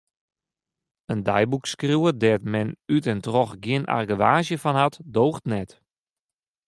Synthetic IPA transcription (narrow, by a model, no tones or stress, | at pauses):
əndajbukskrjuədɛtmɛnytɛntrɔxɡjɪənʔa̰rɡəʋaːzjəfɔnhatdoːxtnɛt